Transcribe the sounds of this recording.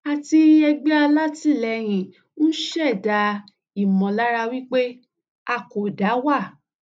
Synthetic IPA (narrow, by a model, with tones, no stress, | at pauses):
a˧ti˧ɛ˧ɡ͡bɛ˦a˧la˦ti˦˨lɛ˧˨ɾ̃ĩ˨ | n̩˦ʃɛ˦˨da˨˧˦ | i˨mɔ̃˨la˦ɾa˧wi˦k͡pe˦ | a˧˨ko˨da˨˦wa˦˨